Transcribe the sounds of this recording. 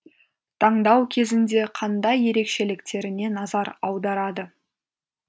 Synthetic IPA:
t̪ʰɑɴd̪ɑwkʲʰe̞zɪnd̪e̞qʰɑnd̪ɑje̞ɾe̞kʃe̞lɪkt̪e̞ɾɪne̞nɑzɑɾɑwd̪ɑɾɑd̪ə

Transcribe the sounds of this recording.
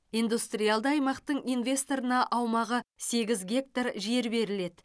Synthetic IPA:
ind̪ust̪rijalˠd̪əɑjmɑqt̪əɴijnvʲe̞st̪o̞ɾənɑʔɑwmɑʁəse̞ɡʲɪzɡʲe̞k̚t̪arʒe̞ɾbe̞ɾɪle̞d̪ɪ

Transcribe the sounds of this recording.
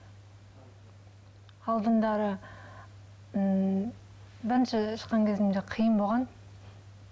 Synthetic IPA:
ɑlˠd̪ənd̪ɑɾə | bɪɾɪnʃeʃəqːɑŋkʲʰezɪmd̪eqʰijənbolˠʁɑn

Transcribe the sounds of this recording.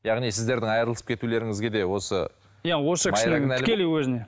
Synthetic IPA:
jɑʁnijsɪzd̪e̞ɾd̪ɪŋɑjɾəlˠəsəp̚kʰʲe̞t̪ule̞ɾɪŋɪzɡʲe̞d̪e̞wo̞sə̰ | jawo̞səmɪɑjɾaknælɪkelejwɵzɪne

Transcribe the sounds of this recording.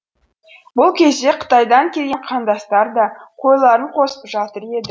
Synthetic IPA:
bʊlˠkʲʰe̞zd̪e̞qʰə̥t̪ɑjd̪ɑŋkʲʰe̞lɡʲe̞ɴqʰɑnd̪ɑst̪ɑɾd̪ɑqʰo̞jlˠɑɾəɴqʰo̞sə̥pʒɑt̪əɾe̞d̪ɪ

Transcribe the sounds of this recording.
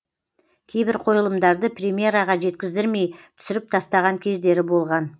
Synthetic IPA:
kʲʰe̞jbɪɾqʰo̞jəlˠəmd̪ɑɾd̪əprʲemʲje̞ɾɑʁɑʒe̞t̪kʲɪzd̪ɪɾme̞jt̪ʰʏ̥sɪɾɪp̚t̪ʰɑst̪ɑʁɑŋkʲʰe̞zd̪e̞ɾɪbo̞lˠʁɑn

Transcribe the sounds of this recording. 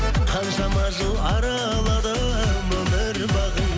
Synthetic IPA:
qʰɑnʃɑmɑʒulˠɑɾɑːlˠɑd̪ə | bəd̪əɾbɑʁən

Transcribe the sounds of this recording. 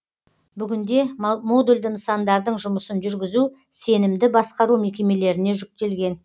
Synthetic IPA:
bʏɡʲɪnd̪e̞mod̪ulʲd̪ɪnsɑnd̪ɑɾd̪əɴʒʊməsənʒʏɾɡʲɪzu | se̞nɪmd̪ɪbɑsqɑɾume̞kʲe̞me̞le̞ɾɪne̞ʒʏk̚t̪e̞lɡʲe̞n

